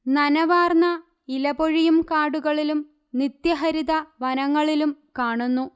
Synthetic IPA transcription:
nɐnɐʋaːrnɐ | ilɐboɻijumkaːɽuɣɐɭilum | nit̪jɐɦɐɾiðɐʋɐnɐŋːɐɭilumkaːɳunːu

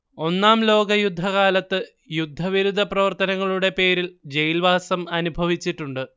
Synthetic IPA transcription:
o̞nːaːmlo̞ːɡɐjud̪ʱːɐɣaːlɐt̪ːɨ | jud̪ʱːɐʋiɾud̪ʱɐprɐʋɐrt̪ɐnɐŋːɐɭuɽe̞pe̞ːɾild͡ʑejilʋaːsɐmɐnubʱɐʋit͡ɕːiʈːuɳɖɨ

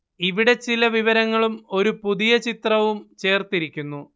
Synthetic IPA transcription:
iʋiɽe̞t͡ɕilɐʋiʋɐɾɐŋːɐɭumo̞ɾupuðijɐt͡ɕit̪rɐʋumt͡ɕe̞ːrt̪iɾikʲːunːu

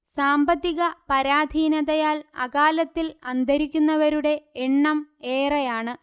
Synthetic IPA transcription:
saːmbɐt̪ːiɣɐpɐɾaːd̪ʱiːnɐðɐjaːlɐ̰kaːlɐt̪ːilɐnd̪ʱɐɾikʲːunːɐʋɐɾuɽe̞eɳːɐmeːrɐjaːɳɨ

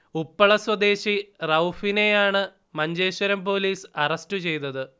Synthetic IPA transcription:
upːɐɭɐswɐd̪e̞ːɕirɐwfine̞jaːɳɨ | mɐɲd͡ʑe̞ːɕɐɾɐmpo̞ːliːsɐrɐstɨt͡ɕe̞jt̪ɐðɨ

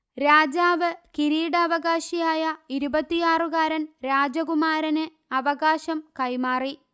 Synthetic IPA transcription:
ɾaːd͡ʑaːʋɨkiɾiːɽɐɐʋɐɣaːɕijaːjɐiɾubɐt̪ːijaːrɨɣaːɾɐnɾaːd͡ʑɐɣumaːɾɐnɨ | ɐʋɐɣaːɕɐmkɐjmaːri

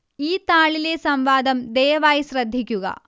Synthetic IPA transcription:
iːt̪aːɭileːsɐmʋaːd̪ɐmd̪ɛːʋaːjisɾɐd̪ʱːikjuɡɐ̰

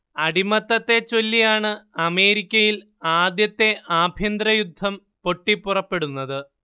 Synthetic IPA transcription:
ɐɽimɐt̪ːɐt̪ːe̞t͡ɕo̞lːijaːɳɨɐme̞ːɾikʲːɐjil | aːd̪jɐt̪ːe̞ʔaːbʱjɐnd̪ɾɐjud̪ʱːɐm | po̞ʈːipːurɐpːe̞ɽunːɐðɨ

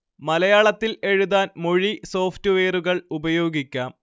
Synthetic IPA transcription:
mɐlɐjaːɭɐt̪ːile̞ɻuðaːnmoɻiso̞ːftɨʋe̞ːruɣɐɭubɐjo̞ːɡikʲːaːm

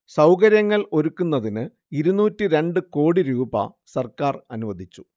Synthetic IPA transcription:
sɐwkɐɾjɐŋːɐɭo̞ɾukːunːɐðinɨ | iɾunuːtːɨɾe̞ɳɖɨko̞ːɽiɾuːbɐ̰ | sɐrkaːrɐnuʋɐd̪ʱit͡ɕːu̥

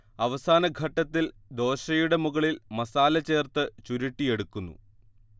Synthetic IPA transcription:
ɐʋɐsaːnɐɡʱɐʈːɐt̪ːild̪o̞ːɕɐjuɽe̞muɣɐɭilmɐsaːlɐt͡ɕe̞ːrt̪ɨt͡ɕuɾiʈːije̞ɽukːunːṵ

